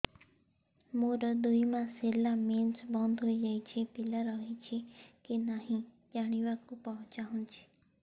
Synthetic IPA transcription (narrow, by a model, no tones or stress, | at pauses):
moɾəd̪uimãselamensbɔ̃nd̪ʱɦoid͡ʒait͡ʃʰepɪlaɾɔɦit͡ʃʰekenaɦĩ | d͡ʒaɽ̃iʋakũpɔɦɔ̃t͡ʃaɦũnt͡ʃʰe̥